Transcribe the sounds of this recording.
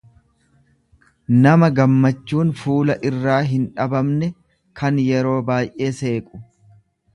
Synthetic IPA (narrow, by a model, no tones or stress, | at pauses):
nɐmɐɡɐmːɐt͡ʃːuːnfuːlɐʔɪrːaːɦɪnᶑɐbɐmnɛ | kʰɐnjɛɾo̞ːbaːjʔe̞ːse̞ːkʼʊ̥